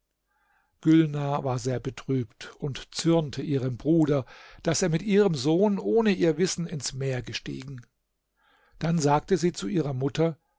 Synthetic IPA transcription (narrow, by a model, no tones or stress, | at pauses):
ɡ̥ʏlnavaːɐzeːɐbətʁ̥yːptʊntt͡sʏɐntʰəʔiːʁəmbʁuːdɐd̥aseːɐmɪtʔiːʁ̞əmzoːnʔoːnəʔiːɐvɪsn̩ɪnsmeːɐɡəʃtḭːɡŋ̩ | d̥anzaːk̚təziːt͡suʔiːʁɐmʊtʰɐ